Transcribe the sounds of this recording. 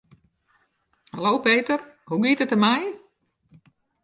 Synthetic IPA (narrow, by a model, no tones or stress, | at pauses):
halowpeːtər | huɡitətəmɛj